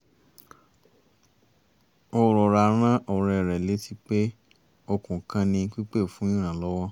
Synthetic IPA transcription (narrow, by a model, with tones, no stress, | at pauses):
ɔ˧ɾɔ˨ɾa˧ɾ̃ã˦ʔɔ˨ɾɛ˧˨ɾɛ˨le˨˦ti˦k͡pe˦ | o˧kũ˨kã˧nĩ˧˦k͡pi˦k͡pe˦˨fũ˨˦ĩ˦ɾ̃ã˦˨lɔ˦wɔ˦